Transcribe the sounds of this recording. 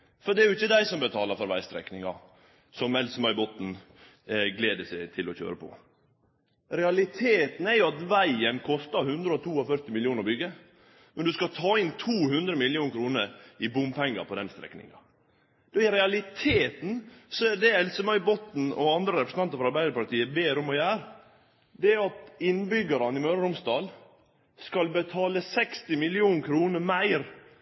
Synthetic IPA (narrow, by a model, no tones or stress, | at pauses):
fɔɖ̪ɛæɾjʊɪçːəd̪æɪsɔmbət̪ʰɑːləɾfɔɾʋæ̰ɪst̪ɾɛ̰knɪŋɑ̰ | sɔmɛlsəmɑʏbɔt̪n̩ | ɡleːd̪əsæɪt̪ʰɪlɔçø̰ːɾəpʰɔ̰ | ɾɛɑlɪt̪ʰeːt̪n̩ɛɾjʊɑt̪ʋæɪənkʰɔst̪ɑɾhʉnd̪ɾəɔt̪ʰuːɔfœɾt̪ɪmɪljuːnəɾbʏɡːə | mɛnd̪ʉskɑt̪ʰɑːɪnt̪ʰuːhʉnd̪ɾəmɪlɪjuːnəkʰɾuːnəɾɪbʊmpʰɛŋːɑ̰ɾpɔd̪ɛnst̪ɾɛ̰knɪ̰ŋɑ̰ | d̪ɔɪɾɛɑlɪt̪ʰeːt̪n̩sɔɛd̪ɛɛlsəmɑɪbɔt̪n̩ɔ̰ɑnd̪ɾəɾɛpɾəsn̩ɑnt̪əɾfɔɾɑɾbæɪd̪əɾpɑɾt̪iːəbeːɾɔmɔjæːɾ | d̪ɛæɑt̪ɪnbʏɡəɾɑnɪmøːɾəɾʊmst̪ɑːl | skɑlbət̪ʰɑːləsɛkst̪ɪmɪlɪuːnkʰɾuːnəɾmæɪɾ